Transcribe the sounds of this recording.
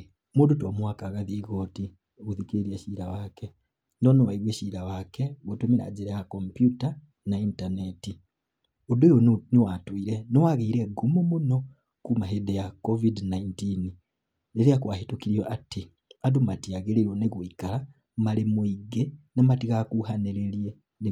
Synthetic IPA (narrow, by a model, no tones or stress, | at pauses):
mudutomwaːkaɣaðiɣoti | oɣuðikiɾiɾiaʃiːɾawake | ndoniwaiβweʃiɾawakeɣutumiɾa̰d͡ʒiɾejakompjuta | naintaneti | udujoniwatwiɾeniwaɣiiɾeɡumumuno | kumaɦedejakovidnaintini | eɾijakwahitukiɾjoʔati | adumatiaɣeliɾoneɣwikala | malimuiɡenamatiɣakuhaneɾeɾje | ni